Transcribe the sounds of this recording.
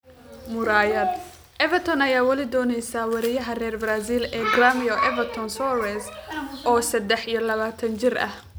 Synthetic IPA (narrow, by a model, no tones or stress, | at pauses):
mʊɾaːjɐd̪ | ʔɛvɛt̪ʰɔnɐjaːwɐlɪd̪ɔːnɛjsaːwɑɾɪjɐɦɐrɛːrbɾaːsiːlɛːɡramiɔʔɛvɐt̪ʰɔnsɔwɛsʔɔːsɐd̪ɛħijɔlɐβaːt̪ʰɐnt͡ʃɪrɐ̰h